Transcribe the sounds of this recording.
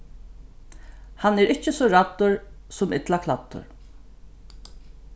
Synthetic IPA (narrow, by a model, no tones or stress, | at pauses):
hanɛːɾɪht͡ʃəsɔɹat̪ːʊɹ | sʊmɪt̪lakʰlat̪ːʊ̰ɹ